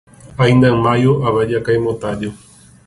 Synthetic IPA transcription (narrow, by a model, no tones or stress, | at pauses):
ajnd̪amajoʔaβad͡ʒakaemot̪ad͡ʒo